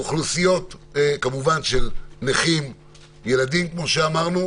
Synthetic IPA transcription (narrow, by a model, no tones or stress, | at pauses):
χlusijo̞t̪kamuvanʃelneχim | je̞ladimkmo̞ʃeamaʁnu